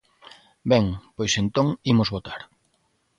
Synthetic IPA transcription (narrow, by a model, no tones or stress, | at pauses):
bɛŋpojsent̪oŋimʊzβot̪aɾ